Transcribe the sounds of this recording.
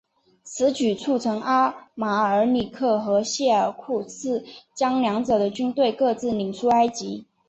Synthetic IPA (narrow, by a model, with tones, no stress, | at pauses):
t͡sʰɹ̩˧˥t͡ɕy˨˩t͡sʰu˥˩t͡sʰɤ˧˥ŋʔa˥ma˨˩ə˞˧˥ni˨˩kʰɤ˥˩xɤ˧˥ɕjɛ˥˩ə˞˨˩kʰu˥˩t͡sʰɹ̩˥˩t͡ɕjɑ˥ŋljɑ˧˥ŋt͡sɤ˨˩d̪ə˦t͡ɕy˥nt̪we˥˧ɪkɤ˥˧t͡sɹ̩˥˩ni˨˩ŋt͡sʰu˥a˥ɪt͡ɕi˧˥